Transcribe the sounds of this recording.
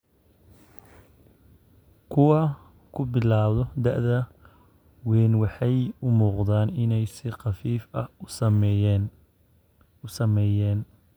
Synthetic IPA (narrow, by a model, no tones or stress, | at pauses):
kʰʊwɑ | kʰʊbɪlaːβðɔd̪ɐʔðɐ | wɛːnwɑħɑjʊmuːqd̪aːnɪnɛjsɪqɑfiːfɐ̰hm | ʊsɐmɛjɛːn